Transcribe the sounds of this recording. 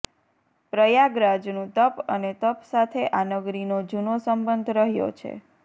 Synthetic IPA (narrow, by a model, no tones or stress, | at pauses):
pɾəjaɡɾad͡ʒnũt̪əpənet̪əpsat̪ʰeʔanəɡɾinod͡ʒunosəmbənd̪ʱɾəɦjo̰t͡ʃʰḛ